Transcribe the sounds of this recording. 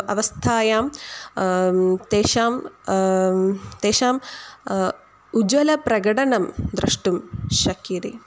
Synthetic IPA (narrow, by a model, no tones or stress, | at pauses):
ɐʋɐst̪ʰaːjaːm | t̪eːʃaːm | t̪eːʃaːm | ud͡ʑʋɐlɐprɐɡɐɽɐɳɐmd̪ɾɨʂʈumɕɐkjiɾi